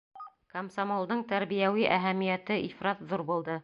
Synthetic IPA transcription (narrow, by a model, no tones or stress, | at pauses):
komsomolˠd̪ɤɴt̪æɾβijæwiʔæɦæmijæt̪ɘʔifɾɑt̪ðuɾbulˠd̪ɤ